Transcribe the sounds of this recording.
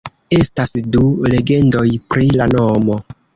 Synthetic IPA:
e̞stasdule̞ɡe̞ndo̞jpɾilanomo

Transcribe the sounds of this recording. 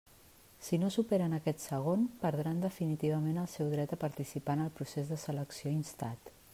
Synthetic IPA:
sinosupeɾənəkɛt̪səɣ̞onpəɾðɾand̪əfinit̪iβ̞əmenəlˠsɛwðɾɛt̪əpəɾt̪isipanəlˠpɾusezðəsələksioinst̪at̪

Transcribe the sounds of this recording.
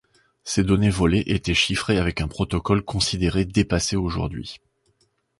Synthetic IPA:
sed̪ɔnevɔleʔet̪ɛʃifχeavɛkɛ̃pχɔt̪ɔkɔlkɔ̃sid̪eʁed̪epaseoʒṵʁd̪ɥḭ

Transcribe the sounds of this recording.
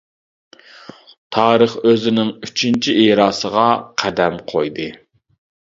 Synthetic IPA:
t̪ʰɑːɾəχøzɪnɪŋyt͡ʃʰint͡ʃʰiʔeɾɑːsəʁɑqʰæd̪ɛmqʰojd̪ɨ

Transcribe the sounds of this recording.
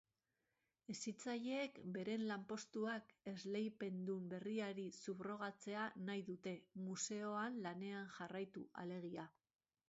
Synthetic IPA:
e̞sit͡saʎe̞ːkbe̞ɾe̞nlampo̞st̪uake̞zle̞jpe̞nd̪umbe̞riaɾisuβro̞ɣ̞at͡se̞anajðut̪e̞muse̞o̞anlane̞anʝarajt̪ua̰le̞ɣ̞ia

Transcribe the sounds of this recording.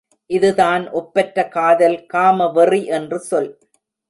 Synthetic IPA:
ʔɪðɯðaːnʔɔpːɐʈɾɐkaːðɐlkaːmɐʋɐriʔɛndrɯsɔl

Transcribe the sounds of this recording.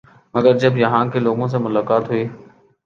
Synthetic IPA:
məɡəɾd͡ʒəbjɐɦãːkeloːɡõːs̬ẽmʊlaːkaːt̪ɦʊiː

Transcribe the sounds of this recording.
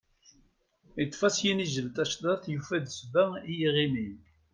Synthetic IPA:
it̪ˤːfæsjiniʒəlt̪æʃd̪ˤɑθjufæd̪svæijiʁimi

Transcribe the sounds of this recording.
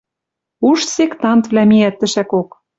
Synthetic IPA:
uʃsekt̪ɑnt̪vlæmiæt̪ːɘ̆ʃækok

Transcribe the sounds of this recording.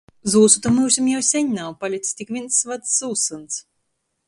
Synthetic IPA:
zuːsut̪amuwsʲumjawsʲɛɲnawpalʲit̪sʲt̪ʲikvʲinsːvat̪sːuːsɨns

